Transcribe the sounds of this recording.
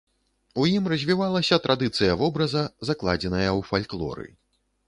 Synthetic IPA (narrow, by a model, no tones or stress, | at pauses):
ujimrɐzʲvʲivalˠɐsʲɐt̪ɾad̪ɨt̪sɨjɐvɔbɾɐzɐzaklˠa̰d͡zʲɛnɐjɐwfalʲklˠɔ̰ɾɨ̰